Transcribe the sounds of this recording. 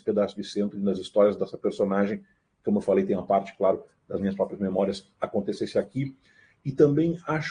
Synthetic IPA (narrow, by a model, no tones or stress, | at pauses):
ɪ̥ped̪ast̪ɾʊd͡ʒɪsẽnt̪ɾɪ̃d̪ɐzist̪ɔɾiɐzd̪ɛsɐpeɾsonaʒẽj̃ | kõmʊewfalejt̪ẽj̃ɐpaɾt͡ʃɪ̥klaɾʊ | d̪̥ɐzmĩɲɐspɾɔpɾiɐzmemɔɾiɐs | akõnt̪esesɪaki | ɪt̪ɐ̃mbẽj̃aʃ